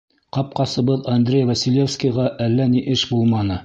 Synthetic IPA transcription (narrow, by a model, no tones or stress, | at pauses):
qɑp̚qɑsɤ̆βɤðɐnd̪rʲejvɐsʲilʲefskijʁɑʔælːæniʔɘʃbulˠmɑnɤ